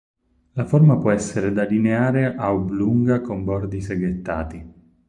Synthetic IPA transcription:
lafɔrmapwɔɛsːeɾed̪alineaːɾeʔaubluŋɡakombɔrd̪iseɡet̪ːa̰ːt̪i

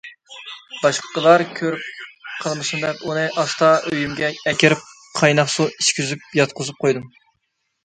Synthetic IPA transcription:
b̥ɑʃqʰə̥qəlˠɑɾkʲʰøɾyp̚qʰəlˠmɨsund̪ɛpunɨʔɑst̪ɑʔøjymɡʲɛɛkʲʰɪɾɪp̚ | qʰɑjnɑχsuiʃkʲyzyp̚jɑt̪̚qʰʊzup̚qʰojd̪ɨm

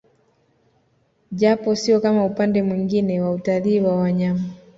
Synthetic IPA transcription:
ʄapɔsiɔkamaupandɛmwiŋɡinɛwautaliːwawaɲama

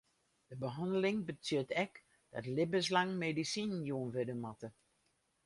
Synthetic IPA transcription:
d̥əbəɦɔndəlɪŋbət͡sjøtɛk | d̥ɔ̰tlɪbəs̬laŋmedisinjuənʋɪdəmatə

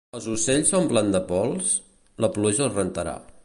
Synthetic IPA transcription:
əlˠzuseʎsompland̪əpɔlˠs | ləpluʒəːrənt̪əɾa̰

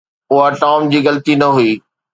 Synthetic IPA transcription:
ʊɦaʈaːmd͡ʑiːɣɐlt̪inɐɦuiː

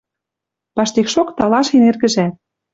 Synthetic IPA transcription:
pɑʃt̪ekʃokt̪ɑlɑʃenerɣɘ̆ʒæt̪̚

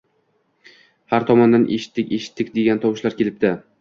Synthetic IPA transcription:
haɾt̪ʰɒmɒnd̪anʔeʃɪ̥t̪ːɪkʲeʃɪ̥t̪ʰːɪkʲd̪e̞ɡʲant̪ʰɒwɪʃlaɾkʲʰe̞lɪp̚d̪ɪ

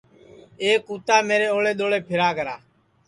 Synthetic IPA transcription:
eːkːuːt̪aːmeːɾeːoːɭeːɗ̪oːɭeːpʰɪɾaːɡəɾaː

